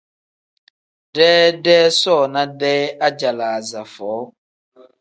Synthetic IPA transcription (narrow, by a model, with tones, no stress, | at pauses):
dɛː˦dɛː˦sɔ˦˨na˦dɛː˦a˦d͡ʒa˨la˨za˨fɔː˨˦